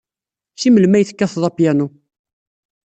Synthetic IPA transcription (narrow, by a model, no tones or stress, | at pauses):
ʃiməlmæjθkːæθðˤɑpjænu